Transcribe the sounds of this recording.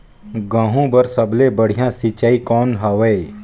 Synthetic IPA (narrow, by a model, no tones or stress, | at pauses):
ɡãːɦũbəɾsəblebəɽ̤ijãsit͡ʃaːikɔːnɦaʋeː